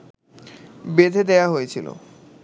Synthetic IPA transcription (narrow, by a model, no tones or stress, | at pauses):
bed̪ʱed̪eaɦojet͡ɕʰilo̰